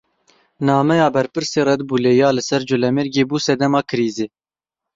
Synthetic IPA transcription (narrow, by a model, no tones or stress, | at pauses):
nɑːmɛjɑːbɛɾpɨɾseːɾɛd̪buːleːjɑːlɨsɛɾd͡ʒʊlɛmeɾɡeːbuːsɛd̪ɛmɑːkʰɨɾiːzeː